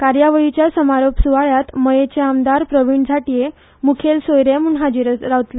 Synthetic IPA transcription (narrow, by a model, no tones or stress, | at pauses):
kaɾjaʋəɭit͡ɕjasəmaɾopsuʋaɭjat̪məjet͡ɕeamd̪aɾpɾəʋiɳd͡zʱaʈije | mukʰelsojɾemunɦad͡ʑiɾɾawt̪la